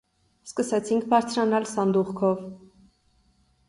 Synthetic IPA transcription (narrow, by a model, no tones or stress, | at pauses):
skəsɛt͡sʰiŋkʰbɑɾt͡sʰɾɑnɑlsɑnd̪uʁkʰɔv